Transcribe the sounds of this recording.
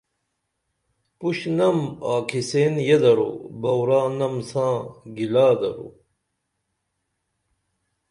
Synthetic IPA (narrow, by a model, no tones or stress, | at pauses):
puɕnɐmaːkʰisenjed̪ɐɾṵbɐwɾaːnɐmsãːɡilaːd̪ɐɾṵ